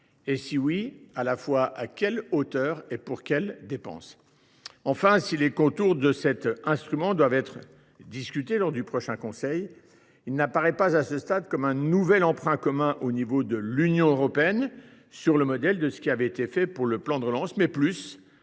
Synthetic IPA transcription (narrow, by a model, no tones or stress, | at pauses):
esiwialafwaʔakʲɛlot̪œːʁepuʁkʲɛld̪epɑ̰̃s | ɑ̃fɛ̃silekɔ̃t̪uʁd̪əsɛt̪ɛ̃st̪χymɑ̃d̪wavɛt̪χə | d̪iskʲyt̪elɔʁd̪ypχɔʃɛ̃kɔ̃sɛj | ilnapaʁɛpazasəst̪ad̪kɔmɛ̃nuvɛlɑ̃pχɛ̃kɔmɛ̃ʔonivod̪əlynjɔ̃øʁɔpeɛn | syʁləmɔd̪ɛld̪əsə̥kʲiavɛet̪efɛpuʁləplɑ̃d̪əʁəlɑ̃smɛplys